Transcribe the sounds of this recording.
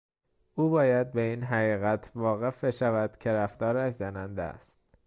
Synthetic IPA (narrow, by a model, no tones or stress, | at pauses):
ʔuːbɒːjæd̪̚be̞iːnɦæɣiːɣæt̪ʰvɒːɣe̞fbe̞ʃævæd̪̥cʰe̞ɾæft̪ɒːɾæʃzænænd̪æ̰st̪